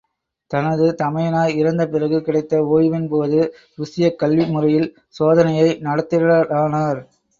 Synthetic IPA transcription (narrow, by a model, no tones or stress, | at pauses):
t̪ɐnɐðɯt̪ɐmɐjɐnaːɪɾɐnd̪ɐpɪrɐɣɯkɪɽɐɪt̪ːɐoːjʋɪnpoːðɯ | ɾʊsɪjɐkːɐlʋimʊrɐjɪl | soːðɐnɐjɐɪnɐɽɐt̪ːɪɾɐɐaːnaːɾ